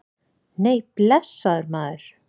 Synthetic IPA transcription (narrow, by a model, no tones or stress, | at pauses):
neːjplɛsːaðʏɾmaːðʏɾ̥